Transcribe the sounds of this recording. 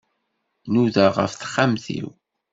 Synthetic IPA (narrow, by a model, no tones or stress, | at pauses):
nuðaʁə̰fθə̥χːamθḭw